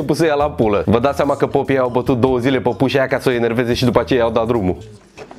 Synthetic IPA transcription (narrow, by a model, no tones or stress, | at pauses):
epusejalapuləvəd̪asʲamakəpopieawbət̪ut̪̚d̪owəzilepəpuʃajakasoeneɾvezeʃid̪upat͡ʃejjawd̪ad̪ɾumu